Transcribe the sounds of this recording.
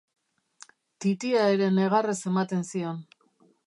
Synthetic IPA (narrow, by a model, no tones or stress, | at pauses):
t̪it̪iaeɾe̞neɣarese̞mat̪e̞nsio̞n